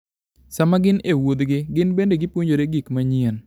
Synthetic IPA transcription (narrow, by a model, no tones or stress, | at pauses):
samaɡɪnewod̪ɡɪɡɪnbendeɡɪpwoɲd͡ʒoɾeɡikmaɲɪɛn